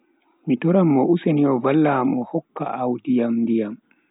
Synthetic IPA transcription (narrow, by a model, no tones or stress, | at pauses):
mitɔɾamːɔʔuseniɔvalːaːmɔhɔkːa̰ʔawdijamdijam